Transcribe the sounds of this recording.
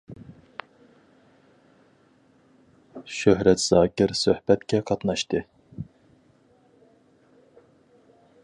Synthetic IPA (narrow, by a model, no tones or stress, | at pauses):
ʃøɦɾɛt̪z̥ɑːkʲɪɾsøhbɛt̪kʲʰɛqʰɑt̪nɑʃt̪ɨ